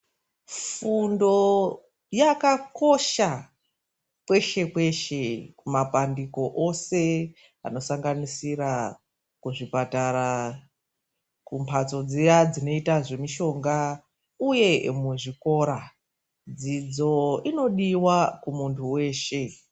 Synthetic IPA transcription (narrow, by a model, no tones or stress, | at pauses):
fundo̞ | jakako̞ʃa | kwe̞ʃe̞kwe̞ʃe̞kumapandiko̞ʔose̞ | a̰no̞saŋɡanisira | kuʐipataɾa | kumpʰat͡so̞d͡zejad͡zino̞itaʐe̞miʃo̞ŋɡa | uje̞muʐiko̞ɾa | d͡zid͡zo̞ino̞ɗiwakumuntʰuwe̞ːʃe̞